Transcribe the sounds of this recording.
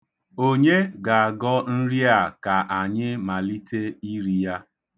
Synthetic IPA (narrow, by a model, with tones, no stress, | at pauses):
o˦ɲe˦ɡa˨a˨ɡɔ˦n̩˦ɾi˦a˨ka˨ʔa˨ɲɪ˦ma˨li˦tʰe˦i˦ɾi˦ja˦